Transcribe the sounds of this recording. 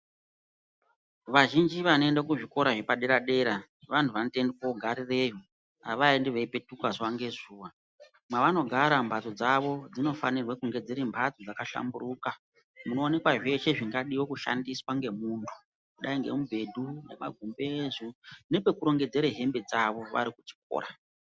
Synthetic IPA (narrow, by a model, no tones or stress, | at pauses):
ʋaʒind͡ʒiʋanoe̞ndakuʐiko̞ɾaʐepaɗe̞ɾaɗe̞ɾa | ʋantʰuʋanotendekoɡʱaɾirejo | a̰ʋaindiʋeipe̞tukwazwaŋɡe̞zuːʋa | mwaʋano̞ɡʱaɾambʱatod͡zaʋo̞d͡zino̞fanirwekuŋɡe̞d͡zeɾimbʰʱat͡sod͡zakaʃa̰mburuːka | muno̞ːne̞kwaʐe̞ʃe̞ʐiŋɡaɗiwokuʃa̰ndiswaŋɡe̞muntʰu̥ | kuɗaiŋɡe̞̰mubʱe̞dʱunḛma̰ɡʱumbe̞zune̞pe̞kuɾo̞ŋɡe̞d͡ze̞ɾeɦe̞mbe̞d͡zaʋo̞ʋa̰ɾikut͡ʃi̥k̚o̰ːɾa